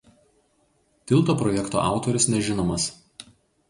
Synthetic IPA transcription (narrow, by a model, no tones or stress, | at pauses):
t̪ʲɪlˠt̪oːpɾɔjɛkt̪o̰ʔɑ̰ˑʊt̪oɾʲɪsnʲɛʒʲɪnoːmɐs